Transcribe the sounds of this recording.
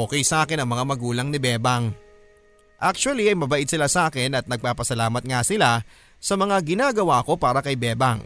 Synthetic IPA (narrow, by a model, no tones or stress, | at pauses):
oːkɛjsɐʔaːkɪnɐŋmɐŋamɐɡuːlɐŋnɪbɛːbɐŋ | ʔak̚t͡ʃʊɐliɐjmɐbɐʔɪd̪̚sɪlasɐʔaːkɪnɐt̪̚nɐɡ̚paːpɐsɐlaːmɐt̪̚ŋasɪla | sɐmɐŋaɡɪnaːɡɐwaːɐko̞paːɾɐkɐjbɛːbɐŋ